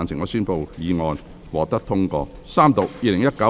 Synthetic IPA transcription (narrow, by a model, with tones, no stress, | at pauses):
nsʰɪ˨˩ŋɔː˧˥syː˥npo˧wjiː˨˧ŋɔː˧n | wɔː˨k̚t̪ɐ˥k̚t̪ʰʊ˥ŋkɔ̰ː˧ | saː˥mt̪o˨k̚jiː˧lɪ˨˩ŋjɐ˥t̚kɐ˨˥